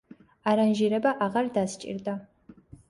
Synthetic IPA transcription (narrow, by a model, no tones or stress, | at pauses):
aːɾɐnʒiɾɐbɐʔaʁɐrdaːst͡ʃʼɪ̰rda